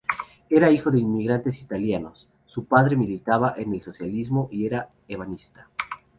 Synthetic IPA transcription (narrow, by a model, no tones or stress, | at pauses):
e̞ɾaixo̞ðeinmiɣɾant̪e̞sit̪aljano̞sː | upaðɾe̞milit̪aβaʔe̞ne̞lso̞sjalizmo̞ʔie̞ɾa | eβanist̪ḁ